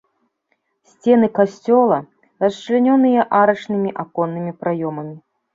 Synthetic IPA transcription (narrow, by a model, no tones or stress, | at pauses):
sʲt͡sʲɛn̪ɨkasʲt͡sʲɔlˠɐ | rɐst͡ʂlʲanʲɔnɨjɐʔaɾɐt͡ʂnɨmʲiʔakɔnːɨmʲipɾajɔmɐmʲi